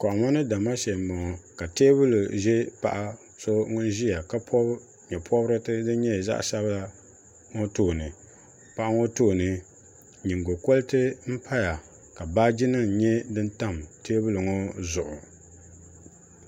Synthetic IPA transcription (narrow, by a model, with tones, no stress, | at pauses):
kɔ˨ʔmɔ˦nɨ˦da˨ma˦ʃɛ˨m˨bɔ˨ŋɔ˨ka˨teː˦bʊ˦lu˨ʒɛ˦pa̰˨ʔa˦˨ | so˦ŋʊ˦n˦ʒi˦ja˨ka˦pʰɔ˦ | ɲɛ˨pʰɔ˦bɾɨ˦tɨ˦dɨ˦ɲɛ˦˨za̰˦ʔsa˦ba˦ | ŋo˦toː˦˨nɨ˨ | pa˦ʔa˦ŋo˦toː˦˨nɨ˨ | ɲi˨ŋɡo˨ko˦lɨ˦tɨ˦m̩˦pʰa˦ja˨ | ka˨baː˦d͡ʒi˦nɨ˦˨ɲɛ˦dɨ˦nta˦˨mteː˦bu˦lɨ˨ŋo˦zʊ˨ʔʊ˨